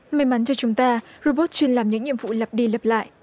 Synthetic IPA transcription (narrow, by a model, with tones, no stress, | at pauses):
ma˧˩jma˨˦nt͡ɕɔ˧t͡ɕʊ˨˦ŋ͡mt̪aː˧ɹo˧ɓo˦˥t̚t͡ɕwi˧ənlaː˨˩mɲɨ̰˧˥ŋɗḭ˧˨əmvfṵ˧˨lə˨˩p̚ɗi˧lə˨˩p̚la̰ː˧˨ʔ